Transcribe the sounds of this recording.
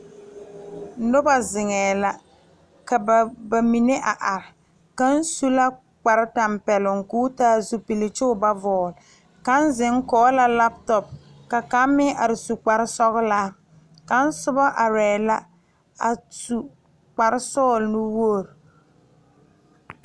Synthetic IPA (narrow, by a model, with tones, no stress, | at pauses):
nʊ˦ba˨zɪ˨ŋɛː˨la˦ | ka˨ba˨mi˨ne˦ʔa˨ʔa˨ɾɪ˨ | ka˦n˦su˦la˦ | k͡pa˨ɾɪ˦ta˨mpɛ˨lʊ˨ŋkuː˦taː˦zu˦pi˨lɪ˨t͡ʃɪ˦ʊ˦ba˦vɔː˨l | ka˦n˦zɪ˨˦ŋ˦kɔː˦la˦la˦p̚tɔ˨p̚ | ka˨ka˨˦mɪ˦ʔa˨ɾɪ˨su˨k͡pa˨ɾɪ˦sɔ˦ɣɪ˦laː˦ | ka˦n̩˦sʊ˦ba˦ʔa˨ɾɛː˨la˦ | a˨su˨ | k͡pa˨ɾɪ˦sɔː˦˨lnʊ˦wo˦˨ɾ